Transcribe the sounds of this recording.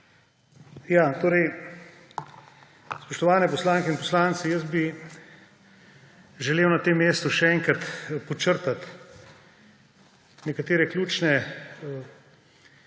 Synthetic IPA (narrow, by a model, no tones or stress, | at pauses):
jaːt̪oːɾɛj | spɔʃt̪ɔʋaːnɛpɔslaːŋkɛinpɔslaːnt̪sijəzbi | ʒɛleːwnat̪eːmːeːst̪uʃɛɛːŋkɾat̪pɔt͡ʃəɾt̪at̪ | nɛkat̪eːɾɛklʲjuːt͡ʃnɛ